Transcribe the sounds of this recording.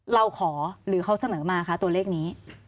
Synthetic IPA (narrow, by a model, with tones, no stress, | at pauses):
ɾa˧wkʰɔː˩˦ɾɯː˩˦kʰa˧˩wsa˧nɤː˩˦maː˧kʰa˦˥t̪u˧ɐleː˥˩k̚niː˦˥